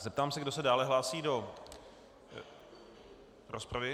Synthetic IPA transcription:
zɛp̚t̪aːmsɛɡdo̞sɛdaːlɛɦlaːsiːdo̞ | ɾospɾavɪ

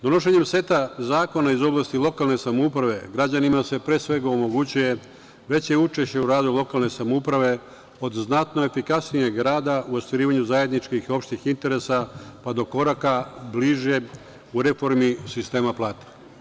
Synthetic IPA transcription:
d̪o̞no̞ʃ̬eɲe̞mse̞t̪azaːko̞naizo̞blˠaːst̪ilˠo̞kalˠne̞samoupɾaʋe̞ɡɾad͡ʑanimase̞pɾeːsʋe̞ɡaomo̞ɡut͡ɕuje̞ | ʋe̞t͡ɕe̞ut͡ʃe̞ʃt͡ɕe̞uɾaːzoujlˠo̞kalˠne̞samoupɾaʋe̞ | o̞d̪znat̪no̞e̞fikasnijeɡɾaːd̪aʔuost̪ʋiɾiːʋaɲuzaje̞d̪nit͡ʃkixo̞pʃt̪ixint̪e̞ɾe̞sapad̪o̞ko̞ɾakabliʒe̞ | uɾe̞fo̞ɾmisist̪e̞ːmaplˠaːt̪ḁ

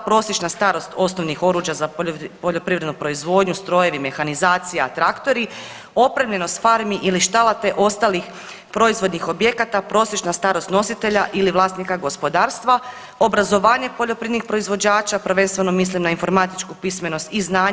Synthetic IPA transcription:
pɾo̞sjet͡ʃnast̪aɾo̞st̪o̞snoʋnixo̞ɾuːʒjazapo̞ʎo̞pɾiʋɾed̪nupɾo̞izʋo̞d̪ɲust̪ɾo̞je̞ʋime̞xanizaːt̪sijeaat̪ɾakt̪o̞ɾi | o̞pɾemʎe̞no̞st̪faɾmiʔiliʃt̪alˠat̪e̞ʔo̞st̪alix | pɾo̞izʋo̞d̪nixo̞bje̞kat̪apɾo̞ːsje̞t͡ʃnast̪aːɾo̞st̪no̞sit̪e̞ʎaʔiliʋlˠaːst̪nikaɡo̞spo̞d̪aːɾst̪ʋa | o̞bɾazo̞ʋaːɲe̞po̞ʎo̞pɾied̪nixpɾo̞izʋo̞d͡ʑaːt͡ʃapr̩ʋe̞nst̪ʋe̞no̞mis̬limnainfo̞ɾmat̪i̥t͡ʃkupisme̞no̞st̪iznaːɲ

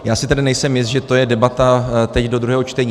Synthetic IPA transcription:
jaːsɪt̪adɪnɛjsɛmjɪst̪ʒɛt̪o̞jɛdɛbat̪at̪ɛcdod̪ɾuɦɛːɦo̞t͡ʃt̪ɛɲiː

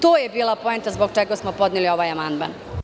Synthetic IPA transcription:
t̪oːjebiːlˠapo̞ent̪azboɡt͡ʃeɡasmopo̞d̪nilio̞ʋajamand̪ma̰n

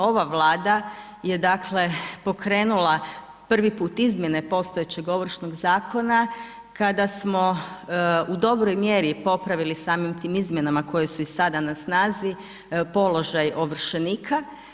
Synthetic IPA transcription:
o̞ʋaʋlˠaːd̪a | jed̪akʰle̞po̞kɾeːnulˠa | pr̩ʋipuːt̪izmje̞ne̞po̞st̪ojet͡ɕe̞ɡo̞ʋr̩ʃnoɡzaːkʰo̞na | kad̪asmo̞ | ud̪o̞bɾojmje̞ɾipo̞pɾaʋilisaːmimt̪iːmizmje̞namako̞jesuisad̪anasnaːzi | po̞lo̞ʒajo̞ʋr̩ʃeniːkʰa

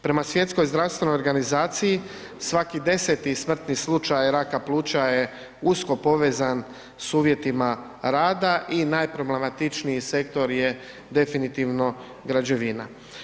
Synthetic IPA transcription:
pɾe̞masʋje̞t̪sko̞jzd̪ɾast̪ʋe̞nojoɾɡanizaːt̪siji | sʋakid̪e̞se̞t̪ismr̩t̪nislˠut͡ʃajɾakaplˠuːt͡ʃaje̞ | usko̞po̞ʋe̞ːzan | suːʋje̞t̪ima | ɾaːd̪aʔinajpɾo̞blemat̪it͡ʃnijise̞kt̪o̞ɾje̞ | d̪e̞finit̪iʋno̞ | ɡɾad͡ʑe̞ʋina̰

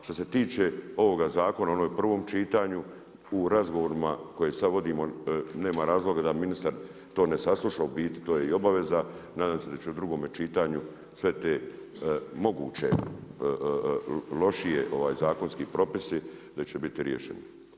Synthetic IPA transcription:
ʃt̪ose̞t̪iːt͡ʃeo̞ʋo̞ɡazaːko̞nao̞noːjpr̩ʋo̞ːmt͡ʃiːt̪aɲu | uɾazɡoʋoɾimako̞jesad̪ʋo̞d̪iːmo̞ne̞ːmaɾaːzlo̞ɡad̪aminist̪aɾ | t̪o̞ːne̞saslˠuʃaobiːt̪i̥t̪oːjeio̞baʋe̞zanaːd̪aːmse̞d̪at͡ɕeud̪ɾuɡo̞ːmet͡ʃiːt̪aɲu | sʋe̞t̪e̞ː | mo̞ɡṵːt͡ɕe̞̰ | lo̞ʃijeʔo̞ʋaːjzaːko̞nskipɾo̞pisid̪at͡ɕebit̪iɾjeʃḛno

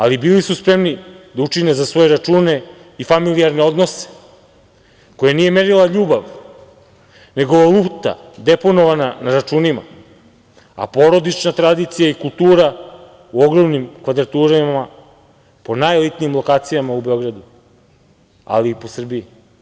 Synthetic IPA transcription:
alibilisuspɾe̞mnid̪aut͡ʃine̞zasʋo̞jeɾat͡ʃuːne̞ | ifamilijaɾne̞o̞d̪no̞se̥ | ko̞janije̞meɾilˠaʎuːbaʋ | ne̞ɡo̞ʋalˠuːt̪a̰ | d̪epo̞no̞ʋananaɾat͡ʃuːnima̰ | a̰po̞ɾo̞d̪it͡ʃnat̪ɾad̪it̪sijaikulˠt̪uːɾa | uoɡɾo̞mnimkʋad̪ɾat̪uːɾama | po̞najolit̪niːmlˠo̞kaːt̪sijamaube̞o̞ɡɾad̪u | a̰liːpo̞sr̩bii

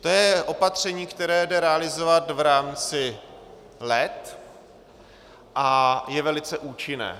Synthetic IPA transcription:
t̪ojɛʔo̞pat̪r̝̥ɛɲiːkt̪ɛɾɛːdɛɾɛalɪzovat̪vɾaːmt͡sɪ | lɛt̪ | ʔajɛvɛlɪt͡sɛʔuːt͡ʃɪnɛ̰ː

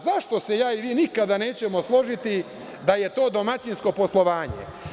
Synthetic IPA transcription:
zaʂt̪o̞se̞jaːiʋiːnikad̪ane̞ːt͡ɕe̞mo̞slˠo̞ʒit̪i | d̪aje̞t̪o̞ːd̪o̞mat͡ɕinsko̞po̞slˠo̞ʋaːɲḛ

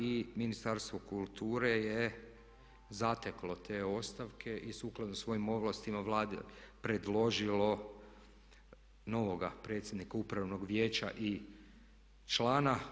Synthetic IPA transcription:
iminist̪aɾst̪ʋokulˠt̪uːɾe̞je | zat̪eklo̞t̪ʰe̞ːo̞st̪aʋkʰe̞ʔisuklˠad̪nosʋo̞jimo̞ʋlast̪imaʋlˠaːd̪ḛpɾe̞d̪lˠo̞ʒilo̞ | no̞ʋo̞ɡapɾet̪sʲjed̪nikaupɾaʋno̞ɡʋje̞ːt͡ʃa̰ʔi | t͡ʃlˠaːna

